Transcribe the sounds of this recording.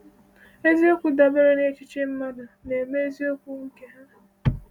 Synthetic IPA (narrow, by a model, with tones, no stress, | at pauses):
e˦zi˦o˦kʷu˦da˨be˦ɾe˦ne˦t͡ʃɪ˦t͡ʃe˦m̩˦ma˦dʊ˨ne˨me˦e˦zi˦o˦kʷu˦ŋ̩˦ke˦ɦa˦na˨